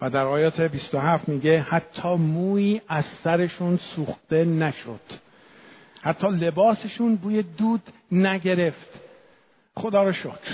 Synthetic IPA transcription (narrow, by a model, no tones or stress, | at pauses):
væd̪æɾɒːjɒːt̪ʰebist̪oɦæft̪miːɟe̞hæt̪ʰːɒːmuːiːʔæz̥sæɾe̞ʃuːnsuːxt̪e̞næʃo̰d̪̥ | hæt̪ʰːɒːle̞bɒːse̞ʃuːnbuːjed̪uːd̪næɟe̞ɾe̞ft̪ | xo̞d̪ɒːɾoʃokʰɾ